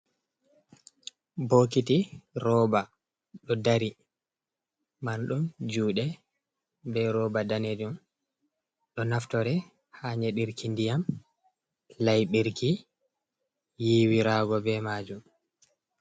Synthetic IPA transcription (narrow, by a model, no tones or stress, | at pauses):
bokitiɾɔba | ɗɔdaɾi | manɗumd͡ʒuːɗɛ | bɛɾɔbadaned͡ʒum | ɗɔnaftɔɾɛ | haːɲeɗiɾkindijam | lajɓiɾki | jiːwiɾaːɡɔbɛmaːd͡ʒum